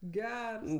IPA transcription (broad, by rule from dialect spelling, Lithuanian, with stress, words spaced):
ˈɡʲɛrs